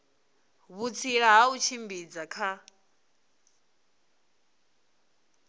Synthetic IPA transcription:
βut͡sʰiɺaɦaut͡ʃʰimbid͡zakʰa

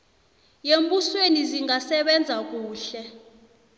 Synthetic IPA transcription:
jembusweniziŋasɛɓɛnd͡zʱak̬uːɬɛ

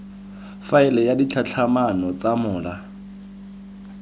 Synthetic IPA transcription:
faɪlɛjadit͡ɬʰat͡ɬʰamanɔt͡samʊːla

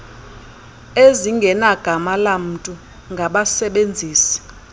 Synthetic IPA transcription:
eziŋɡʱɛnaɡ̥ʱamalam̩tʼu | ŋɡʱaɓasɛɓend͡zʱiːsi̥

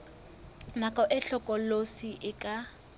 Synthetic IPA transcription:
nakʼɔʔɪɬɔkʼɔlosiʔɪkʼa

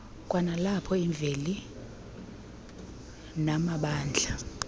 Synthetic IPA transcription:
kʼwanalapʰɔiɱb̪vʱeli | namaɓaːnd͡ɮʱa

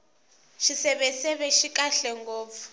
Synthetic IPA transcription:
ʃisɛβɛsɛβɛʃikʼaɬɛŋɡoːp̪fu̥

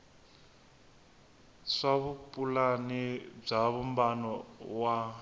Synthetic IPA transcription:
ʂaβupʼulanib͡ʐaβumbanɔwa

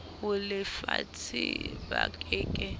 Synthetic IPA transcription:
ʊlɪfat͡sʰibakʼɪːkʼɪ

